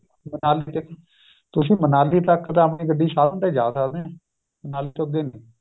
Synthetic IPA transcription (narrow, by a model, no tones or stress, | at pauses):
mənaːliːt̪ək | t̪ʊsĩːmənaːliːt̪əkt̪ãːəp̬nĩːɡəɖiːsaːlənt̪eːd͡ʒaːd̪səkd̪eː | mənaːliːt̪okd̪eːneː